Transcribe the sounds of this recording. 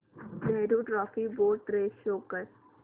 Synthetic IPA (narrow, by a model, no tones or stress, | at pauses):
nɛːɖoʈɾɔːfiboːʈɾeːʃoːkːəɾ